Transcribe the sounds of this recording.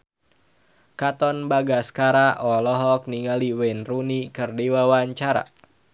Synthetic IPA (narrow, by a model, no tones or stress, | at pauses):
kat̪ɔnbaɡaskaɾaʔɔlɔɦɔk̚niŋaliwɛnrunikɨrdiwawaɲt͡ʃaɾa̰